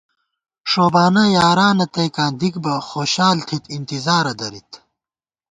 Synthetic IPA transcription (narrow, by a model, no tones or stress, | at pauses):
ʂoːbaːnɐjaːɾaːnɐt̪ɐjkãːd̪ikbɐxoːɕaːlt̪ʰit̪ʰint̪izaːɾɐd̪ɐɾit̪